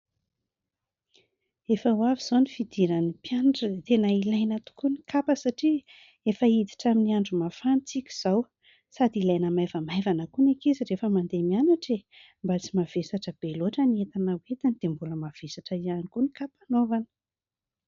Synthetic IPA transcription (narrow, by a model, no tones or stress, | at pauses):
efəwaviz̥onifid̪̥iɾanipjanʈ͡ʂət̪enailajnat̪u̥kunikapəsaʈ͡ʂi | efəid̪i̥ʈ͡ʂaminiaɳɖ͡ʐumafanit͡sikʲi̥z̥aw | sad̪ilajnəmajvəmajvanəkunekizirefəmand̪emianaʈ͡ʂe | mbat͡simav̥esaʈ͡ʂəb̥eloaʈ͡ʂəniet̪anawet̪inid̪̥embuləmav̥esaʈ͡ʂəianikunikapanovanə̥